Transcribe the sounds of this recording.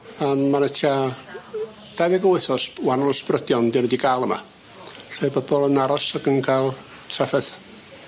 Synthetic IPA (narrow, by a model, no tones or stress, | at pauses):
anmanətʰa | d̥aɡɛɡəwɪθɔswanlˠəsprədjɔndɪwnədiɡalˠəma̰ | ɬɔbɔbɔlˠənaɾɔsaɡənkʰalˠ | tʰrafɛθ